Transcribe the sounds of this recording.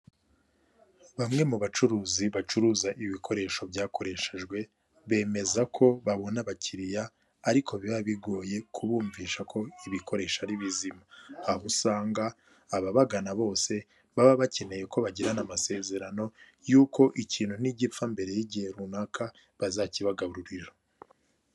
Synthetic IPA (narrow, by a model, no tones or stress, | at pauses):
βamŋe̞muβat͡ʃuɾuːziβat͡ʃuɾuːzaʔiβikʰo̞ɾe̞ːʃo̞bɟaːko̞ɾe̞ʃeʒɡwe̞ | βe̞ːme̞zakʰo̞βaβo̞naβaciɾijaː | ɾikʰo̞βiβaβiɡo̞ːje̞kʰuβuːɱviʃakʰo̞iβikʰo̞ɾe̞ːʃaɾiβizimaːɦusaːŋɡaː | βaβaɡanaβo̞ːse̞ | βaβaβace̞ne̞je̞ko̞βaɟiɾanamase̞ːze̞ɾano̞ | juːko̞ʔiciːnhun̥iɟifambe̞ɾe̞jiɟihe̞ɾunaːkʰa | βazaciβaɡaβuɾuɾiɾo